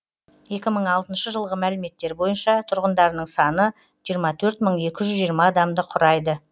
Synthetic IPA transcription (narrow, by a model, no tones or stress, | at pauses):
je̞kʲɪməɴɑlˠt̪ənʃəʒəlˠʁəmælɪme̞t̪ːe̞ɾbo̞jənʃɑt̪ʰʊɾʁənd̪ɑɾnəɴsɑnə | ʒ̥ijəɾmɑt̪ʰɵɾt̪məɴe̞kʲɪʒʏzʒijəɾmɑːd̪ɑmd̪əqʰʊɾɑjd̪ə